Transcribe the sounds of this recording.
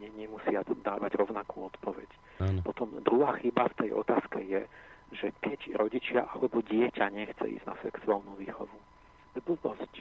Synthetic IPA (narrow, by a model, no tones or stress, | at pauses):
ɲɛɲɛmusɪad̪aːʋaɟɾɔʊnakuːɔt̪pɔʋɛ̰cː | pɔt̪ɔmd̪ɾuɦaːxibaft̪ɛjʔɔ̰t̪aːskɛjɛʒɛkɛcɾɔɟit͡ʃɪaʔalɛbɔɟɪɛcaɲɛxt͡sɛ̰ḭzɟna̰sɛksualnuʋiːxɔʋu | ɛbubɔsc